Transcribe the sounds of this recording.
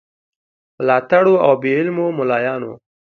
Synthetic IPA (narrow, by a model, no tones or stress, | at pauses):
mlɑːt̪aɽoawbeɪlmomʊlɑːjɑːno̰